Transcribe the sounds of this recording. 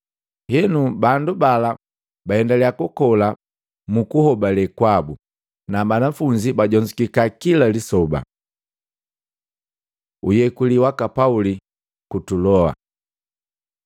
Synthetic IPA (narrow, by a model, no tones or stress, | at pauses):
hɛnubandubala | bahɛndalɛakukɔla | mukuhɔbalɛkwabu | nabanafuɲd͡ʒibaɟɔɲd͡ʒikikakilalisɔba̰ | ujɛkuliwakapauli | kutulɔa̰